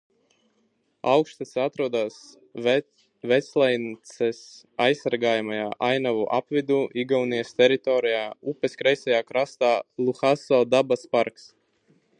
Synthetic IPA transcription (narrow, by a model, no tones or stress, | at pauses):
awkʃt̪asat̪ɾuɔd̪aːs | vɛslˠɛjnt̪sɛsajsːaɾɡaːjamajaːʔajnavuʔapvid̪uːʔiɡawniɛst̪ʲɛɾit̪ɔːɾijaːupɛskɾɛjsajaːkɾast̪aːlˠuxasɔːd̪abaspaɾks